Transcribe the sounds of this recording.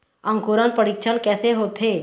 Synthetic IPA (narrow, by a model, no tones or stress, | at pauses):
ə̃ŋkuːɾə̃npəɽik̚t͡ʃʰənkɛːseɦoːt̪ʰɦe